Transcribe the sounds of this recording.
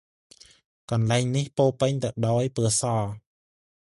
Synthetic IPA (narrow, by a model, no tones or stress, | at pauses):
kɑnlaɛŋnihpoːlpəɲt̪ɨwɗaɔjpɨəsɑː